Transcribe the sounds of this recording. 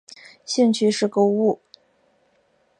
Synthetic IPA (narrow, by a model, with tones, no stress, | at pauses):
ɕi˥˧ŋt͡ɕʰy˥˧ʂɻ̩˥˩ko˥ʊu˥˩